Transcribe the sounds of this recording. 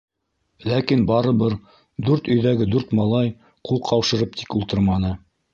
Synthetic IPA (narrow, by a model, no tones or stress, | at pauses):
lækinbɑɾɤβɤɾ | d̪ʉɾt̪ɵ̆jðæɡɘd̪ʉɾt̪mɑlˠɑj | qʰulˠqʰɑwʃɤ̆ɾɤp̚t̪ʰi̥kulˠt̪ɤɾmɑnɤ